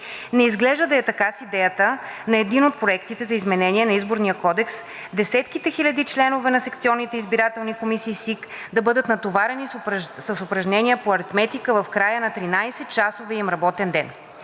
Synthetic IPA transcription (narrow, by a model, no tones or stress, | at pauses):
nɛizɡlɛʒd̪əd̪ɐɛt̪ɐkasid̪ɛjət̪ənɐɛd̪inot̪̚pɾoɛkt̪it̪ɛzɐizmɛnɛnʲiɛnɐizboɾnijəkɔd̪ɛks | d̪ɛsɛt̪kit̪ɛxilʲɐd̪it͡ʃlɛnovɛnɐsɛk̚t̪siɔnːit̪ɛizbiɾat̪ɛlˠnikomisiːsik | d̪ɐbɤd̪ət̪nɐt̪ovaɾɛnissəsʊpɾɐʒnɛniəpoɐɾit̪mɛt̪ikəvɐfkɾajənɐt̪ɾinajsɛt̪̚t͡ʃasovɛimɾɐbɔt̪ɛnd̪ɛn